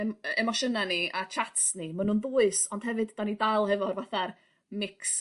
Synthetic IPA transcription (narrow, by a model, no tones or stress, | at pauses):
ɛmɔʃənaniat͡ʃʰatsnimanunbʊːɨsɔnd̥ɦɛvɨdd̥anidaɨlˠhɛvɔrvaθar | mɪks